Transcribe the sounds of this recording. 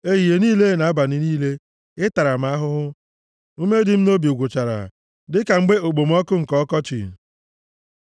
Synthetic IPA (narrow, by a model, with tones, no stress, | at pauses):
e˦ɣi˨e˨niː˦le˦˨na˨a˦ba˨nɪ˨niː˦le˦ | ɪ˦ta˨ɾa˨m̩˨˦a˦ɦʊ˦ɦʊ˦ | u˦me˦dɪ˨m̩˦no˦bi˨u˨ɡʷʊ˨t͡ʃa˨ɾa̰˨ | dɪ˦ka˨ŋ͡m̩˦ɡ͡be˦o˨ɡ͡bo˨m̩˦ɔ˦kʊ˦ŋ̩˨kɔ˦kɔ˦t͡ʃḭ˨